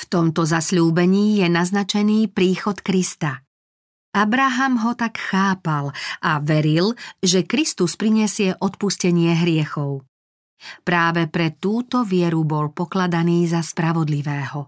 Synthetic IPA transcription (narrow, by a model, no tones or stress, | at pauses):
ft̪ɔmt̪ɔzasʎuːbɛɲiːjɛnaznat͡ʃɛniːpɾiːxɔt̪kɾist̪a | abɾaɦamɦɔt̪akxaːpalʔaʋɛɾilʒɛkɾist̪uspɾiɲɛsɪɛʔɔt̪̚puscɛɲɪɛɦɾɪɛxɔʊ | pɾaːʋɛpɾɛt̪uːt̪ɔʋɪɛɾubɔlpɔklad̪aniːzaspɾaʋɔd̪liʋɛːɦɔ